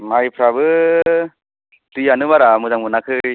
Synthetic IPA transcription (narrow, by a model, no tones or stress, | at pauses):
majpʰɾabɯ | tɯjanɯβaɾamuzaŋmɯnakʰɯj